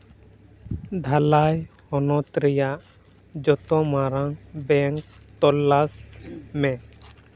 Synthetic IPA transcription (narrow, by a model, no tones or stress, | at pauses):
d̪ʱalaj | ɔnɔt̪ɾɛjaʔ | d͡ʒɔt̪ɔ̃maɾãbɛŋk̚t̪ɔlːasmɛ̃